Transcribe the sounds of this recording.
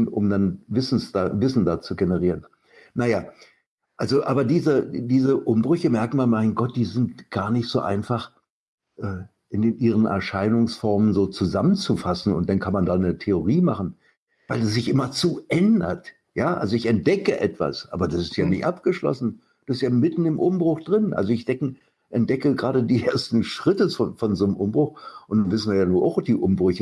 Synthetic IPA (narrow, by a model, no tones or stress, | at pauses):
nʊ̰mdanvɪsn̩sd̥aːvɪsn̩daːt͡suɡenəʁ̞iːʁən | najaː | ʔalzoʔaːbɐdiːzədiːzəʔʊmbʁʏçəmɛɐkn̩manmaɪnɡɔt̚d̥iːzɪntɡ̥aːɐnɪçtz̥o̰ːʔa̰ɪnfaχ | ʔɛː | ʔɪndenʔiːʁ̞ənʔɛ̰ɐʃaɪnʊŋsfɔɐmənzoːt͡suzamənt͡sufasn̩ʊ̰ntd̥ankʰanmandanətʰeoʁ̞iːmaχn̩ | vaɪlas̬z̥ɪçʔɪmɐt͡suːʔɛndɐ̰t | jaːʔa̰lzoɪçɛnt̚d̥ɛkəʔɛ̰tv̥a̰sʔa̰ːbɐdasɪ̥stjaːnɪçʔap̚ɡ̥əʃlɔ̰sn̩ | d̥ubɪstjaːmɪtn̩ɪmʔʊmbʁʊxd̥ʁɪnʔa̰lzoɪçd̥ɛkŋ̩ | ʔɛntd̥ɛkəɡʁaːɾədiːʔeːɐstn̩ʃʁ̥ɪtəɔnfɔnzoːnmʔʊmbʁʊxʔʊntd̥anvɪsn̩viːɐjaːnuːɐʔa̰ʊxɔp̚d̥iːʔʊmbʁʏçə